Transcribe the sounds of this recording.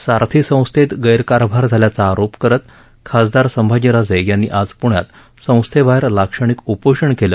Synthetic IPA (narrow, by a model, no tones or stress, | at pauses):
saɾt̪ʰisə̃w̃st̪ʰet̪ɡəjɾkaɾbʱaɾd͡zʱaljat͡saːɾopkəɾət̪ | kʰasd̪aɾsəmbʱad͡ʑiɾad͡zejanːḭʔad͡zpuɳjat̪ | sə̃w̃st̪ʰebʱajɾlakʂəɳ̃ikupoʂəɳkelə